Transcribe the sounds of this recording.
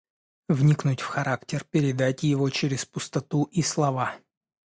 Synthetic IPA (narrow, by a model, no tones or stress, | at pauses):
vnʲiknʊtʲfxɐɾaktʲɪrpʲɪɾʲɪd̪atʲjɪvot͡ɕɪɾʲɪspʊst̪ɐt̪uʔislˠɐva